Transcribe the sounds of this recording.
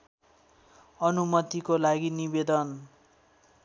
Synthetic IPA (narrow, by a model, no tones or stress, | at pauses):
ʌnumʌt̪ikolaɡinibed̪ʌn